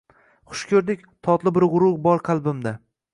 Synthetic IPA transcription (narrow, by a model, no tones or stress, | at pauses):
χʊ̥ʃkʲʰɵɾd̪ɪkʲt̪ʰɒt̪lˠɪbɪɾʁʊɾʊʁbɒɾqʰɑlˠbɪmd̪a